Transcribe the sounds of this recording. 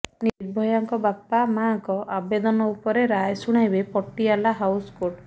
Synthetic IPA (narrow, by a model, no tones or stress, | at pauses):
niɾbʱɔjaŋkɔbapamaŋkɔʔabed̪ɔnɔupɔɾeɾajsuɽ̃ajbepɔʈːialaɦawskoɾʈ